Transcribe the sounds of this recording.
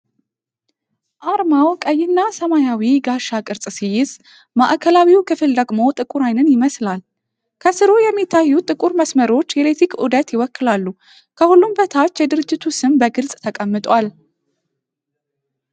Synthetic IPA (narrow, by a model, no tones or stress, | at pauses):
ʔaɾmawkʼəjːɪnːasəmajawiɡaʃakʼɨɾt͡sʼsijɪz | ma̰ʔkʰəlawiwkʰɨfɨld̪əɡmo̞t̪ʼɨkʼuɾajnɨnjɪməslal | kʰəsɨɾojɛmːit̪ʰːajːut̪ʼɨkʼuɾməsməɾo̞t͡ʃːjɛlet̪ʰikʰʔṵd̪ət̪jɪwɔkːɨlalːu | kʰəhulːumbət̪ʰat͡ʃːjɛd̪ɨɾɨd͡ʒːɪt̪ʰusɨmbəɡɨlsʼt̪ʰəkʼəmːɨt̪ʼwal